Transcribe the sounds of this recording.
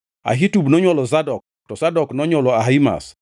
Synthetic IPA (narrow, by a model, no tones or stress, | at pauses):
a̰ɦitubnɔɲwɔlɔzadɔk̚ | tɔsadɔknɔɲwɔlɔaɦaima̰s